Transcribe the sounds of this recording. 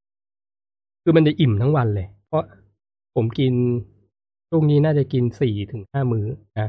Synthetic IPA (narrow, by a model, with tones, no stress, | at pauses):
kʰɯː˧ma˧nt͡ɕa˨˩ʔi˨˩mt̪ʰa˦˥ŋwa˧nlɤː˧jpʰɔ˦˥ | pʰo˩˦mki˧n | t͡ɕʰu˥˩˨ŋniː˦˥naː˥˩t͡ɕa˨˩ki˧nsiː˨˩t̪ʰɯ˩˦ŋhaː˥˩mɯː˦˥na˦˥